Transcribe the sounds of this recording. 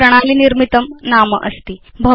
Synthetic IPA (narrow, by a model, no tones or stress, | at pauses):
ɾəɽ̃aliːniɾmit̪əmnamə̰ʔəst̪iːbʱə